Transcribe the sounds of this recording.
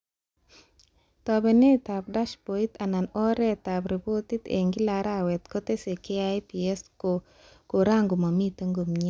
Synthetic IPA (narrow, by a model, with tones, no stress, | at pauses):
t̪ɔ˨bɛ˨ne˦t̪a˨b̚da˦ʃpo˨i˦t̪a˨na˨nɔ˦ɾɛ˦t̪a˨bɾi˨bo˦t̪i˦t̪ḛ˨ŋɡi˦la˨ɾa˦˨wɛ˨t̪ko˦t̪e˦se˨ke˦a˦jpi˨e˦sko | ko˨ɾa˦ŋɡo˨ma˨mi˦t̪a˦ŋɡo˨mɲe˦